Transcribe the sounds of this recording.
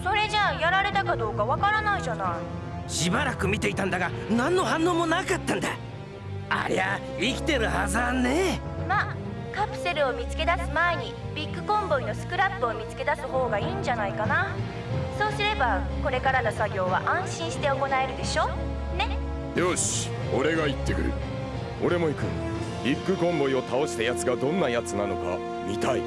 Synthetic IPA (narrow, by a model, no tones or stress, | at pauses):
so̞ɾe̞ʑaːjaɾaɾe̞t̪akad̪o̞ːkaβakaɾanaiʑanai | ɕibaɾakɯ̟mʲit̪e̞it̪ãnd̪aɡa | nãnːo̞ɦãnːo̞ːmo̞nakat̪ːãnd̪a | a̰ɾea | ikʲi̥t̪e̞ɾɯ̟ha̰zanːe | ma | kapɯ̟̥se̞ɾɯ̟o̞mʲit͡sɨ̥ke̞d̪asɨmae̞ɲ̟i | bʲikːɯ̟kõ̞mbo̞ino̞sɨ̥kɯ̟ɾapːɯ̟o̞mʲit͡sɨ̥ke̞d̪asɨho̞ːɡaiːɲd͡ʑanaikana | so̞ːsɨɾe̞bako̞ɾe̞kaɾano̞saɡʲo̞ːβaʔãɰ̃ɕĩɰ̃ɕi̥t̪e̞o̞ko̞nae̞ɾɯ̟d̪e̞ɕo̞ː | ne̞ | joɕ | oɾe̞ɡait̪ːe̞kɯ̟ɾɯ̰ | o̞ɾe̞mo̞ikɯ̟̰ | bʲikːɯ̟kõ̞mbo̞io̞t̪aoɕi̥t̪ajat͡sɨɡad̪õ̞nːajat͡sɨnano̞ka̰ | mʲit̪ai